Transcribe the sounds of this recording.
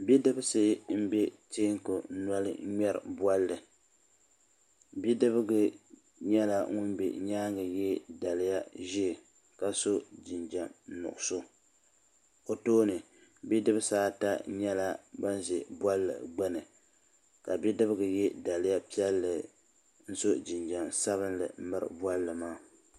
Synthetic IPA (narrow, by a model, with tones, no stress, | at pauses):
bi˦dɨ˦bɨ˦sɨ˦m̩˦be˦tiː˦ŋ˦ko˨˦nwa˦lɨ̰˦ɲɛ˦ɾɨ̰˨bwa˦lːɨ˨ | bi˦dɨ˦bɨ˦ɡɨ˨ | ɲɛ˦la˨ŋʊ˦nbɛ̰˨ɲaː˦ŋɡɨ˨jɛ˦da˨lɨ˦ja˦ʒi˦˨ | ka˨so˦d͡ʒɪ˨nd͡ʒa˨mnʊ̰˨ʔʊ˨so˦ | o˨toː˦nɨ˨ | bi˦dɨ˦bɨ˦saː˦ta˦ɲɛ˦la˦ba˦n˦zi˨bwa˦lːɨ̰˨ɡ͡bɛ˦nɨ˨ | ka˨bi˦dɨ˦bɨ˦ɡɨ˨jɛ˦da˨lɪ˦ja˦pi˦ɛ˦lːɨ˨ | n̩˦so˦d͡ʒɪ˨nd͡ʒa˨msa˦βɨ˦nlɨ̰˨m̩˦mɨ˦ɾɨ̰˨˦bwa˦lːɨ˨maː˦